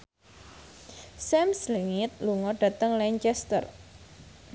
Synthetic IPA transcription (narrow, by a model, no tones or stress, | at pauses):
sɛmsliŋɪt̪̚luŋɔɖ̥ä̤t̪əŋlɛɲt͡ʃɛst̪ə̰r